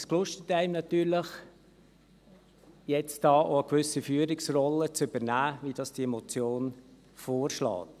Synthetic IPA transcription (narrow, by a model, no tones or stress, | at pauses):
sklʊʃtətæɪmnɑt̪yːɾləχ | jɛt͡sd̥ɑːʔoəkʋʏsifyːəɾɪksrɔlːət͡sʏb̥əɾnæːvid̥ɑːsd̥iɛmot͡sjoːn | foːɾʃlɑ̰ːt